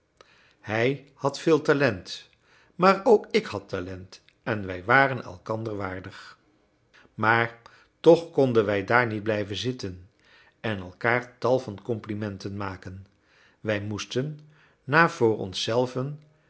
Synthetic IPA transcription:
hɛj | hɑtfɪːlˠtalɛnt | maːɹowkɪkhɑtalɛnt | ʔɛnʋɛjʋaːrənɛ̰lˠkɑndəɹʋaːɹdəχ | maːɹ | tɔχkɔndənʋɛjdaːɹnid̚blɛjvənzɪtən | ɛnɛlˠkaːɹtɑlˠvɑnkɔmplimɛntənmaːkən | ʋɛjmustənː | aːv̥ʊːɹɔ̰nsɛlˠvən

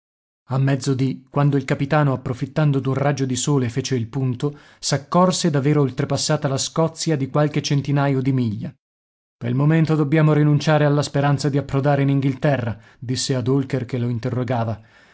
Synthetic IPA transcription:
amːɛd̪zːod̪ikwand̪oilkapit̪aːnoapːɾofit̪ːand̪od̪unrad͡ʒod̪isoːlefeːt͡ʃeilpunt̪o | sakːɔrsed̪aveːɾoːlt̪ɾepasːaːt̪alaskɔt̪sːjad̪ikwalket͡ʃent̪inaːjod̪imiʎːa | pḛlmoment̪od̪objaːmoɾinunt͡ʃaːɾealːaspeɾant̪sad̪iapːɾod̪aːɾeiniŋɡilt̪ɛrːa | d̪isːead̪olkerkeloint̪erːoɡaːva

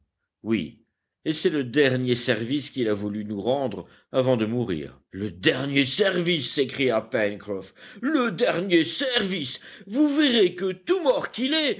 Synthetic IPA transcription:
wḭ | esɛləd̪ɛʁnjesɛʁviskilavulynuʁɑ̃d̪ʁ | avɑ̃d̪əmuʁḭːʁləd̪ɛʁnjesɛʁvisːekχijapɛnkχɔfləd̪ɛʁnjesɛʁvisvuveʁekət̪umɔʁkilɛ

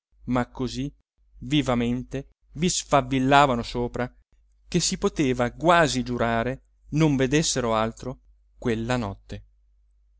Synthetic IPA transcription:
makːozi | vivament̪e | visfavːilːaːvanosoːpɾa | kesːipot̪eːvaɡwaːzid͡ʒuɾaːɾe | noɱved̪esːeɾoalt̪ɾo | kwelːanɔt̪ːe

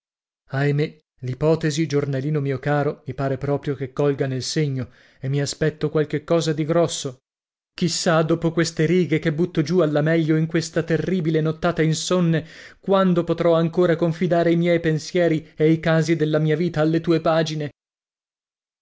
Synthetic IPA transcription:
ajme | lipɔːt̪ezid͡ʒornaliːnomiːokaːɾomipaːɾepɾɔːpɾjokekːɔlɡanelseɲːo | emːiaspɛt̪ːokwalk̟ekːɔːzad̪iɡɾɔsːo | k̟isːad̪oːpokwest̪eɾiːɡekebːut̪ːod͡ʒualːamɛʎːoiŋkwest̪at̪erːiːbilenot̪ːaːt̪ainsonːekwand̪opot̪ɾɔaŋkoːɾakoɱfid̪aːɾeimjɛjpensjɛːɾiejkaːzid̪elːamiːaviːt̪aːlːet̪uːepaːd͡ʒine

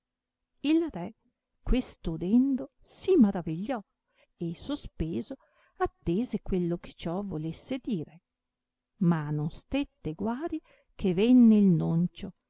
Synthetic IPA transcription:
ilrɛ | kwest̪od̪ɛnd̪o | simaɾaviʎːɔ | esospeːzo | at̪ːeːzekwelːoke̥t͡ʃɔvolesːed̪iːɾe | manonst̪et̪ːeɡwaːɾi | kʰevenːeilnont͡ʃo

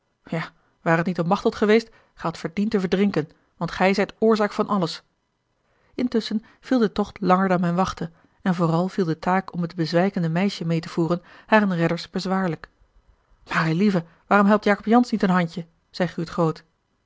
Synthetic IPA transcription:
jaː | ʋaːɾətnitɔpmɑχtɔtχəʋejst | χɛjɦɑtfəɹdintəvəɹdrɪŋkən | ʋɑntχɛjzɛjtʊːɹzaːkfɑnʔɑləs | ɪntɵsən | v̥ilˠdətɔχtlɑŋəɹdɑnmɛjnʋɑχtə | ɛnvʊːrɑlˠv̥ilˠdətaːkɔmɦəd̚bəzʋɛjkəndəmɛjʃəmejtəv̥uːrənhaːrənrɛdəɹsb̥əzʋaːɹlək | maːrelivə | ʋaːrɔmɦɛlˠp̚tjaːkɔpjɑnsnitənɦɑɲcə | z̥ɛjχyːtχowt

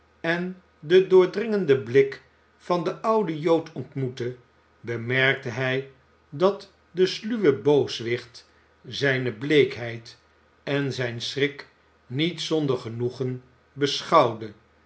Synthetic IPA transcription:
ɛn | dədʊːɹdrɪŋəndəblɪk | fɑndəʔɑwdəjowtʰɔntmutə | bəmɛɹk̚təɦɛj | dɑt | dəslyʋəbowsʋɪχt | zɛjnəblejkɦɛjt | ɛnzɛjnsrɪk | nitsɔndəɹχənuχən | bəsχɑwdə

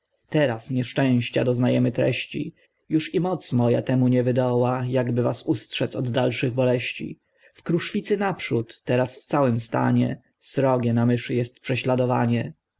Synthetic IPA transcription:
t̪ɛɾasɲɛʂt͡ʂɛ̃w̃ɕt͡ɕa̰d̪ɔznajɛmɘt̪ɾɛ̰ɕt͡ɕḭ | juʂimɔt̪smɔja̰t̪ɛmuɲɛvɘd̪ɔwajaɡbɘvasustʂɛt̪sɔd̪ːalʂɘɣbɔlɛɕt͡ɕḭ | fkɾuʂfʲit̪sɘnapʂut̪ːɛɾasft̪sawɘmst̪a̰ɲɛ̰ | sɾɔɡʲjɛnamɘʂɘjɛst̪pʂɛɕlad̪ɔva̰ɲɛ

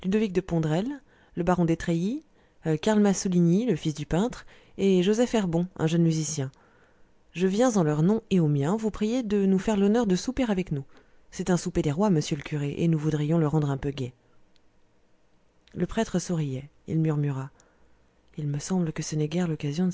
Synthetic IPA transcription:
lyd̪ɔvik̚d̪əpɔ̃d̪ʁɛlː | əbaʁɔ̃d̪et̪χeji | kaʁlmasuliniləfisd̪ypɛ̃t̪χ | eʒozɛfɛʁbɔ̃ɛ̰̃ʒənmyzisjɛ̃ | ʒəvjɛ̃zɑ̃lœʁnɔ̃eomjɛ̃vupχijed̪ənufɛʁlɔnœʁd̪əsupeʁavɛknu | sɛt̪ɛ̃suped̪eʁwaməsjøləkʲyʁeʔḛnuvud̪ʁijɔ̃ləʁɑ̃d̪ʁɛ̃pøɡʲɛ | ləpχɛt̪χəsuʁijɛ | ḭlmyʁmyʁa | ilməsɑ̃bləkəsənɛɡʲɛʁlɔkazjɔ̃

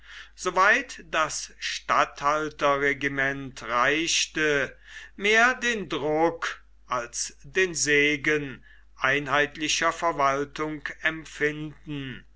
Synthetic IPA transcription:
z̥oːvaɪtd̥asʃtathaltɐʁeɡimɛntʁaɪʃtəmeːɐdeːndʁʊk | ʔalsd̥eːnzeːɡən | ʔaɪnhaɪtlɪɕɐfɛɐvaltʊŋkɛmfɪndn̩

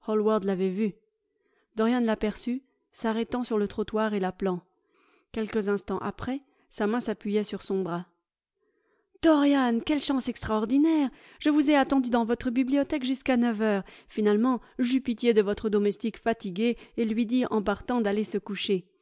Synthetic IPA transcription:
hɔlwaʁd̪lavɛvy | d̪ɔʁjanlapɛʁsy | saʁɛt̪ɑ̃syʁlət̪χɔt̪waʁelaplɑ̃ | kʲɛlkəzɛ̃st̪ɑ̃ʔa̰pχɛ | samɛ̃sapɥijɛsyʁsɔ̃bʁa | d̪̥ɔʁjankʲɛlʃɑ̃sɛkst̪χaɔʁd̪inɛʁ | ʒ̥əvuzɛat̪ɑ̃d̪yd̪ɑ̃vɔt̪χəbibliɔt̪ɛkʒyskanœvœʁfinalmɑ̃ʒypit̪jed̪əvɔt̪χəd̪ɔmɛst̪ikfat̪iɡʲeelɥid̪iʔɑ̃paʁt̪ɑ̃d̪alesəkuʃe

